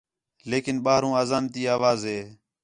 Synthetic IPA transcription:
leːkɪnɓaːɦɾũːaːzaːnt̪iːaːʋaːzɦeː

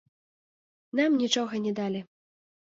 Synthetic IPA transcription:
namnʲit͡ʂɔɣɐnʲɛd̪alʲi

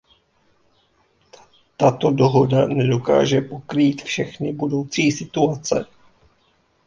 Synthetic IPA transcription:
t̪at̪o̞doɦo̞danɛdo̞ka̰ːʒɛpo̞kɾiːt̪fʃɛxnɪbudo̞wt͡siːsɪt̪uat͡sɛ̰

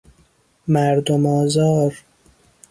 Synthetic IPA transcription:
mæɾd̪omɒːzɒːɾ

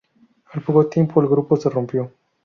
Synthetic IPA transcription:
alpokot̪ːimpoalɡɾuposerumpjo

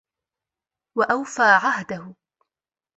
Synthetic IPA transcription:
waʔawfaːʕaɦd̪ahʊ

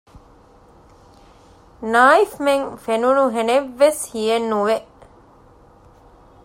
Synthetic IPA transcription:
naːifmeŋfenunuɦeneʋːeshijenːuʋeʔ

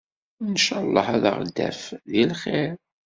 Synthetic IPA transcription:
nəʃɑlˤːəħæða̰ʁ̰d̪ːæ̰fðilχeɾ

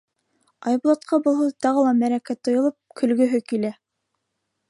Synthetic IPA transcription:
ɑjbulˠɑt̪̚qʰɑbŏlˠhɤt̪ɑʁɤlˠɑmæɾækæt̪ːŏjɤ̆lˠɤp̚kʰɵ̆lɡɵ̆ɦɵkilæ

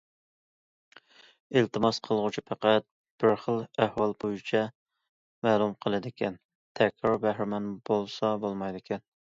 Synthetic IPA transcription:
ɪlt̪ɨmɑsqʰəlˠʁʊt͡ʃʰipʰæqæt̪̚ | b̥ɪɾχəlˠæhwɑlˠbojit͡ʃʰɛ | mæːlˠumqʰəlˠɨd̪ɪkʲɛn | t̪ʰɛkʲɾɑɾbæhɾɪmɛnbolˠsɑbolˠmɑjd̪ɪkʲʰɛn

